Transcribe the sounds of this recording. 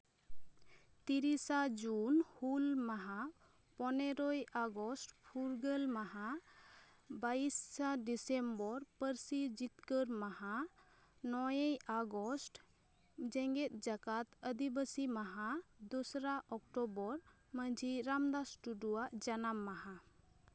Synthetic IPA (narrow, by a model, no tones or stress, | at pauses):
t̪iɾisad͡ʒunhulmaɦã | pɔneɾɔjaɡɔsʈpʰuɾɡəlmaɦa | bajsːaɖisembɔɾpəɾsid͡ʒit̪kəɾmaɦa | nɔjejaɡɔsʈ | d͡ʒɛ̃ŋɡɛt̪̚ˀd͡ʒakat̪əd̪ibəsimaɦãd̪ɔsɾaʔɔk̚ʈɔbɔɾ | məd͡ʒʱiɾamd̪asʈuɖuwaʔd͡ʒanamːaɦã